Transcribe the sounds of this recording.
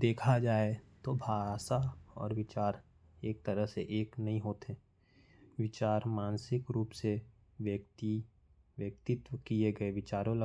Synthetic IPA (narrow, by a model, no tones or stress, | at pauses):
d̪eːkʰad͡ʒaːet̪obʱaːsaɔ̰ːɾʋɪt͡ʃaːɾ | eːk̚t̪ɐɾəɦseʔeːknɐɦĩɦoːt̪ɛ̃ | ʋɪt͡ʃaːɾmaːnsɪkɾuːpse | ʋjəkt̪i | ʋjəkt̪ɪt̪wəkieɡɐeʋɪt͡ʃaːɾõlɐ